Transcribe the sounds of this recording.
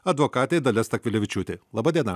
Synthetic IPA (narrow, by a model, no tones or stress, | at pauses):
ɐd̪ʋokɑːt̪ʲɛɪd̪ɐlʲɛst̪ɐkʋʲɪlʲɛʋʲɪt͡ʃʲuːt̪ʲelˠɑːbɐd̪ʲiɛnɐ